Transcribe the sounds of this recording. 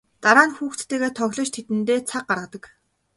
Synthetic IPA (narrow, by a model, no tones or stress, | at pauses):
t̪aɾaːnxuːxt͡st̪ʰeːɣeːt̪ʰœɣʲɮɞ̆t͡ɕt̪ʰet̪ɘ̆nt̪eːt͡sʰaq̚ɢaɾʁə̆t̪ə̆k